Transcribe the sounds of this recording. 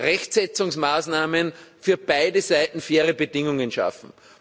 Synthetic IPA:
ʁɛçtsɛt͡sʊŋsmaːsnaːmənfyːɐb̥aɪdəzaɪtn̩feːʁəbədɪŋʊŋənʃa̰fn̩

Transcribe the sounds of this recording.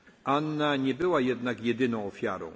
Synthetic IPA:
ʔanːaɲɛbɘwajɛd̪nakjɛd̪ɘnɔ̃w̃ɔfʲja̰ɾɔ̰̃w̃

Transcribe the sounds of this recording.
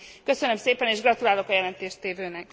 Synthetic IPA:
kːø̞sønømseːpɛneːʒɡrɒt̪ulaːlo̞kɒjɛlɛnt̪eːʃt̪eːvøːnɛk

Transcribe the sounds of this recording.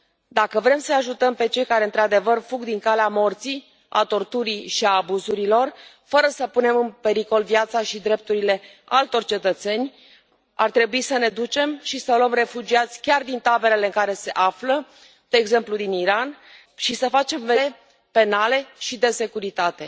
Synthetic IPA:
d̪akəvɾe̞msənaʒut̪əmpe̞t͡ʃe̞jkaɾe̞ɨnt̪ɾad̪e̞vərfuɡd̪iŋkaleamo̞rt̪si | a̰t̪o̞rt̪uɾiʃiaːbuzuɾilo̞r | fəɾəsəpune̞mɨnpe̞ɾiko̞lvjat̪saʃid̪ɾe̞p̚t̪uɾile̞ | alt̪o̞rt͡ʃe̞t̪ət̪se̞nʲ | a̰rt̪ɾe̞buisəne̞d̪ut͡ʃe̞mʃisəluəmre̞fud͡ʒiat̪sʲkʲard̪int̪abe̞le̞le̞ɨŋkaɾe̞se̞ʔaflə | d̪̥e̞ːɡze̞mplud̪iniɾan | ʃisəfat͡ʃe̞mvee | pe̞nale̞ʃid̪e̞se̞kuɾit̪at̪e̞

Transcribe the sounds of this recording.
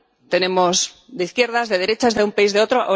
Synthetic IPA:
t̪e̞ne̞moz | d̪eiθkje̞ɾðazðe̞ðe̞ɾe̞t͡ʃazðeumpaizðeo̞t̪ɾoʔo

